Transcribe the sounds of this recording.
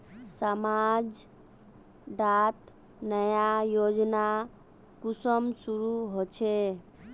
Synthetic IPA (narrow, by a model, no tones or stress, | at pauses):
səmad͡ʒ | ɖat̪ | nəjajod͡ʒna | kusəmsuɾuɦot͡ʃʰe